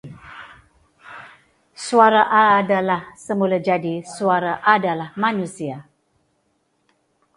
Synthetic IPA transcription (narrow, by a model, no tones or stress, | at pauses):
suaɾaʔadalahsəmulad͡ʒadisuaɾaʔadalahmanusia